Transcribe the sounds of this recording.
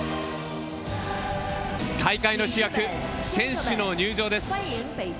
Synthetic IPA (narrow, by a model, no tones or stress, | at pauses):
k̪ʰaikaino̞ɕijakɯ̟sẽ̞ɰ̃ɕɨno̞ɲʲɨːʑo̞ːd̪e̞sɨ̥